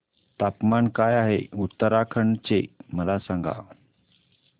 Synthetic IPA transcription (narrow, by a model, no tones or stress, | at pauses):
t̪apmankajaɦeut̪ːəɾakʰəɳɖt͡seməlasãŋɡa̰